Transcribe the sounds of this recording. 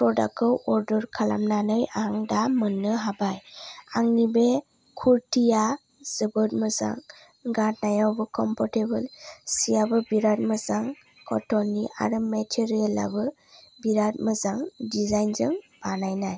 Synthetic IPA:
pɾɔda̰k̚kɔwɔɾdɔɾkʰala̰mnanɯjaŋdamənːɯɦabajaŋnibe | kʰuɾtʰija | z̥əbɯt̚mɯza̰ŋ | ɡat̚najawbɯkʰɔmpʰɔɾtebɯlsijabɯbiɾat̚məzaŋ | kɔtɔniʔa̰ɾɯmetʰeɾiela̰bɯ | biɾat̚məzaŋdizajnzɯŋb̥anajnaj

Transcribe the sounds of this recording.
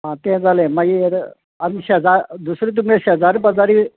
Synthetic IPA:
ɦãt̪ẽd͡zalemaɡieɾ | ənɕeəd͡zaɾd̪usɾit̪̬umeɕeɦəd͡zaɾipəd͡zaɾi

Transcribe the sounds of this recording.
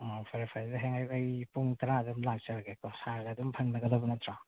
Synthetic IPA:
ɔpʰaɾipʰajdɐɦeŋajɐjpuŋtɐɾaːdumlak̚t͡ʃɐɾaɡekɔsaɾɡadumpʰɐŋnɐɡɐdabɐnɐtɾa

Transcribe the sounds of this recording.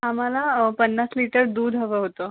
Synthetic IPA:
ɦam̤alapənːasliʈəɾd̪uːd̪ʱɦəʋəɦot̪o

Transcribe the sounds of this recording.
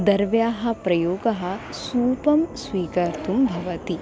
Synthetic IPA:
d̪ɐɾʋjaːɦɐ̆pɾɐjoːɡɐɦɐ̆suːpɐmsʋiːkɐɾt̪ʰumbʱɐʋɐt̪i

